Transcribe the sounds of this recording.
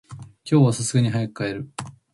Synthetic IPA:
kʲo̞ːβasasɨɡaɲ̟iɦajakɯ̥kːae̞ɾɯ̟

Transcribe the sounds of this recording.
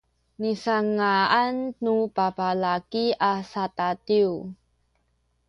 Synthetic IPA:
nisaŋaannupapalakiʔasatatiw

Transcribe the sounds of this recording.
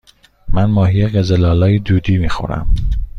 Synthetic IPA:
mænmɒːhijeɣezelɒːlɒːjed̪uːd̪iːmiːxo̰ɾæ̰m

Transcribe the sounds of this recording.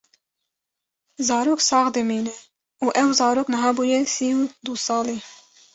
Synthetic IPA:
zɑːɾoːksɑːɣd̪ɨmiːnɛ | ʔuːʔɛwzɑːɾoːknɨɦɑːbuːjɛsiːud̪usɑːleː

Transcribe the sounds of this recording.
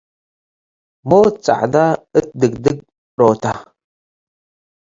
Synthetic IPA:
mot͡sʼa̰ʕdaədɨɡ̚dɨɡ̚ | otʰa

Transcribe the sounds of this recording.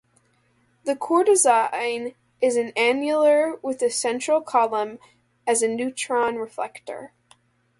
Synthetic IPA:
ðɨkʰɔɹɾɨzãɪ̃n | ɪzɨ̃næ̃njl̩ˠə˞wɪðɨsɛ̃nt͡ʃɹ̥l̩ˠkʰɑlˠə̃m | ɨzɨnʉt͡ʃʰɹ̥ɑ̃nɹɨflɛ̰ktə̰˞

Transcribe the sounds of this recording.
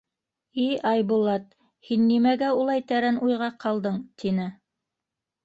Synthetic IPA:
iɑjbulˠɑt̪̚ | hinːimæɡæulˠɑjt̪æɾænʔujʁɑqʰɑlˠd̪ɤɴt̪ʰinɘ

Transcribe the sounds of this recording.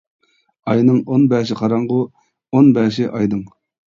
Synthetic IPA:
ɑjnɨŋonbɛːʃ̬ɪqʰɑɾɑŋʁʊ | onbɛːʃɪʔɑjd̪ɨŋ

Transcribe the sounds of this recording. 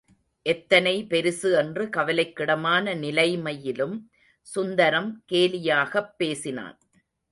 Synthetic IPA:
ʔɛt̪ːɐnɐɪpɛɾɯsɯɛndrɯkɐʋɐlɐɪkːɪɽɐmaːnɐnɪlɐɪmɐjɪlɯm | sʊnd̪ɐɾɐmkeːlɪjaːɣɐpːeːsɪna̰ːn

